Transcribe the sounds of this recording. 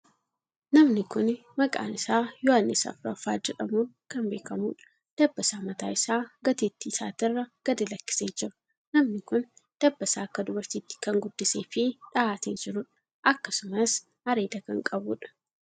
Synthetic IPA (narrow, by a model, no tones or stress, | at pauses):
nɐmnɪkʊn | mɐkʼa̰ːnɪsaːjɔanːɪsɐ̰fɾɐfaːd͡ʒɛᶑɐmuːkɐmbe̞ːkɐmuːᶑɐ̥ | d̪̥ɐbːɐsaːmɐt̪aːɪsaːɡɐt̪it̪ːisa̰ːt̪ɪrːɐɡ̥ɐd̪ɛlɐkːɪ̥seːd͡ʒɪɾɐ̥ | nɐmnɪkʊn | d̪̥ɐbːɐsaːkːɐd̪ʊbɐɾt̪iːt̪ːɪ̥kɐŋɡʊd̪ːɪseːfɪᶑɐʔaːt̪ed͡ʒɪɾʊᶑɐ̥ | ʔɐkːɐsʊmɐs | hɐɾeːd̪ɐkɐŋkʼɐbuːᶑɐ̥